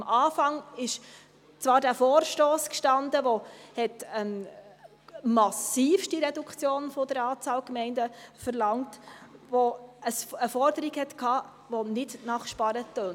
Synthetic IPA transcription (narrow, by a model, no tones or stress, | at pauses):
mɑːfɑŋɪʃ | t͡sʋɑːɾdæːfɔːɾʃtoːskʃtɑndəʋohɛtɛm | mɑsiːfʃtiɾɛdukʰt͡sjoːnfod̥əɾɑːt͡sɑːlkmɛɪndəfəɾlɑŋtʋoəsəfɔɾdəɾikhɛtkʰɑː | ʋonɪdnɑχʃpɑɾət̪øːn